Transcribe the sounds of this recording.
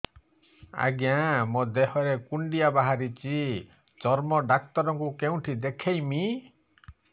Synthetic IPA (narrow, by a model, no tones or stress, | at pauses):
a̰ɡjãmod̪ehɔɾekuɳɖijabaɦaɾit͡ʃi | t͡ʃɔɾmɔɖak̚t̪ɔɾɔŋkukeũʈʰid̪ekʰejmi